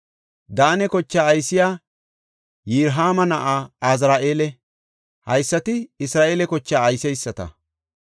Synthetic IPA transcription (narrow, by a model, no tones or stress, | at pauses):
d̪aːnɛkɔt͡ʃːaːjsɪjaː | jiːɾɦaːmɐnɐʔaːaːzɾaːʔe̞ːlɛ | hɐjsːɐt̪ɪɪsɾaːʔeːlɛkɔt͡ʃːaːjsɛjsːɐt̪ɐ̰